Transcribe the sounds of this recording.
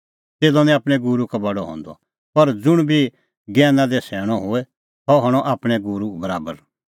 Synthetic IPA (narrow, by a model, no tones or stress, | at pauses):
t̪eːd̪ɔnĩaːpɽ̃ɛ̃ɡuɾukabɐɽɔɦɔ̰̃ːnd̪ɔ̰ | pɐɾd͡zʊɽ̃bʱi | ɡɛːnãd̪ɛsɛːɽ̃ɔɦoɛ | hɔɦɔːɽ̃ɔʔaːpɽ̃ɛɡuɾubɐɾaːbəɾ